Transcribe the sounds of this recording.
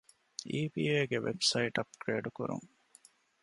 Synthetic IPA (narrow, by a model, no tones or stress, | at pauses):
iːbiːeːɡeʋʔḛbsɐiʈɐp̚kɾeːɖukuɾṵŋ